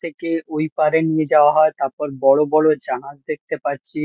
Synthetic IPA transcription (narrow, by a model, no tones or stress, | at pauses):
t̪ʰekeojpaɾenied͡ʑaoaɦɔet̪aɾpɔɾbɔɭobɔɭod͡ʑanad͡ʑd̪ek̚t̪epaɾt͡ɕʰi